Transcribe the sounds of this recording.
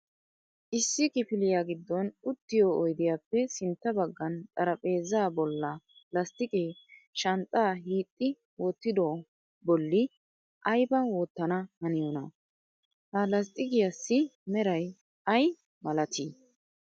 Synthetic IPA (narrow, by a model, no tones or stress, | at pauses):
ʔɪsːɪkʼɪfɪlɪjaːɡɪd̪ːɔnʊt̪ːɪjoːjd̪ɪjaːpːɛsɪnt̪ːɐbɐɡːɐnt̪ʼɐɾɐpʼe̞ːzaːbɔlːɐlɐst̪ʼɪkʼeːʃɐnt̪ʼːaːɦiːt̪ʼːɪ | wɔt̪ːɪd̪o | bɔlːɪ | ʔɐjbɐwɔt̪ːɐnɐhɐnɪjɔnɐ | hɐlɐs̬t̪ʼɪɡɪjɐsːɪmɛɾɐj | ɐj | mɐlɐt̪ʰiː